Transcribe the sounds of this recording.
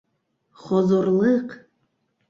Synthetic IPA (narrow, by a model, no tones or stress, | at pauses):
χɔzorlɨqʰ